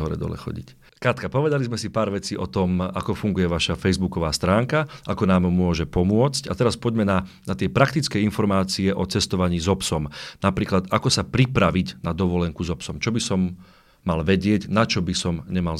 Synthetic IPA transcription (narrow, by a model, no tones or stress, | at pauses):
ɦɔɾɛ̰d̪ɔ̰lɛ̰xɔ̰ɟḭc | kɾat̪kapɔʋɛd̪alizmɛsipaːɾʋɛt͡siːʔɔt̪ɔma̰kɔfuŋɡujɛʋaʃafɛjzbukɔʋaːst̪ɾaːŋkaʔakɔnaːmmʊɔʒɛpɔmʊɔt͡scat̪ɛɾaspɔɟmɛnanat̪ɪɛpɾakt̪it͡skɛinfɔɾmaːt͡siɛʔɔt͡sɛst̪ɔʋaɲiːzɔpsɔmnapɾiːklat̪akɔsapɾipɾaʋiɟnad̪ɔʋɔlɛŋkuzɔpsɔmt͡ʃɔbisɔmː | alʋɛɟɪɛɟnat͡ʃɔbisɔmɲɛmal